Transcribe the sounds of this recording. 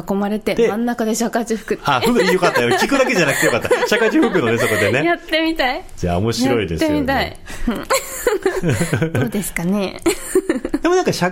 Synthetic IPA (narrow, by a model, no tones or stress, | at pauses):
ako̞maɾe̞t̪e̞emãnːakad̪e̞ɕakaʑɨɸɯ̥kɯaɸɯjo̞kat̪ːajokʲikɯ̟d̪akeʑanakɯ̟t̪ejokat̪ːaɕakaʑɨɸɯkɯ̟noneso̞kod̪enejat̪ːe̞mʲit̪aisoja̰omo̞ɕiɾo̞id̪eseɨmʲit̪aḭ̃ | d̪ːd̪e̞sɨ̥kane̞ | d̪emo̞nãŋkaɕa